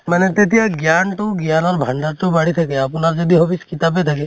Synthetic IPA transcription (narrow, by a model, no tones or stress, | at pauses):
manɛt̪et̪ijaɡjanʈ̪uɡjanɔɾbʱaɳɖaɾt͡ʃobaɽit̪ʰakeapunaɾd͡ʒɔd̪ʱiɦɔbiskit̪abet̪ʰake